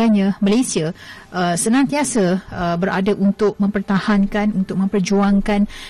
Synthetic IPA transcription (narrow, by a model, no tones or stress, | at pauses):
aɲãmalesiaʔəsənãŋt̪iasaəbəɾʔa̰daʔunt̪ʊk̚mə̃mpərt̪ahankanunt̪ʊk̚mə̃mpərd͡ʒuaŋkan